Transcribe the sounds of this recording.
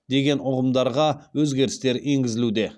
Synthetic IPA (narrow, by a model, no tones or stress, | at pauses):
d̪e̞ɡʲe̞nʊʁəmd̪ɑɾʁɑwɵzɡʲe̞ɾɪst̪e̞ɾeŋɡʲɪzɪlud̪e̞